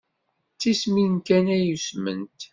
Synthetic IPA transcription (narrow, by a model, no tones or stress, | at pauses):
t͡sːisminkænæjusmə̰nt̪